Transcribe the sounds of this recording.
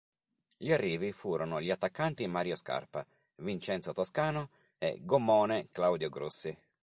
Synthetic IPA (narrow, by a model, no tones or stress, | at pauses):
ʎiarːiːvifuːɾonʊʎiat̪ːakːant̪imaɾjoska̰rpa | vint͡ʃɛnt̪sot̪oskaːno | ɛ̰ɡomːɔːneklawd̪joɡɾṵsːi